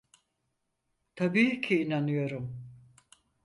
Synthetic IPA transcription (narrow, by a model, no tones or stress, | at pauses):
t̪ʰabiːcʰiːnanɯjo̞ɾum